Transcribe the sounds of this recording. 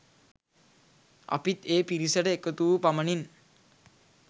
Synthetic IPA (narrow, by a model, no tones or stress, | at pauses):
a̰pit̪eːpiɾisəɖəekət̪uːpamənin